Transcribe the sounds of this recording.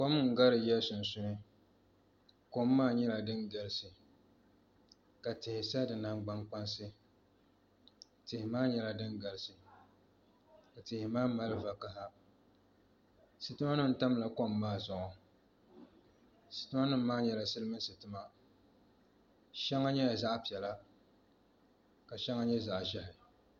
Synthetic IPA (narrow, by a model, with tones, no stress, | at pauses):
ko˦m˦ŋ̩˨ɡa˦ɾɨ˨jɛ˦sʊ˨n˨sʊ˦nɨ˦ | ko˦mːaː˦˨ɲɛ˦la˨dɨ˦ŋɡa˨ɾɨ˦sɨ˨ | ka˨tɪ˨hɪ˨sa˦dɨ˨na˦ŋɡ͡ba˦ŋk͡pa˦nsɨ˦ | tɪ˨hɪ˨maː˦ɲɛ˦la˨dɨ˦nɡa˨lɨ˨sɨ˨ | ka˨tɪ˨hɪ˨maː˦ma˦lɨ˦va˨ka˦ɦa˦ | sɨ˨tɨ˦ma˦nɨ˦m̩˨˦ta˦m˦la˨ko˦mː˨aː˦zʊ˨ɔ˨ | sɨ̥˨tɨ˦ma˦nɨ˦m̩ː˦aː˦ɲɛ˨la˨sɨ˦lɨ˦mɨ˦n˦sɨ˨tɨ˦ma˦ | ʃɛ˦ŋa˦ɲɛ˦ja˨za˦ʔpi˨ɛ˨la˦ | ka˨ʃɛ˦ŋːa˦ɲɛ˦za˨ʔʒa˦hɪ˨